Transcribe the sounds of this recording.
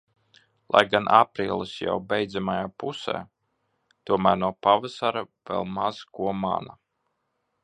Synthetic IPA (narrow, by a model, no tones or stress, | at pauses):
lˠʔa̰jɡanʔapɾiːlˠɨsja̰wbɛjd̪zamajaːpusɛ̰ː | t̪uɔmæːɾnuɔpavasaɾa | vɛ̰lˠmaz̥kuɔma̰na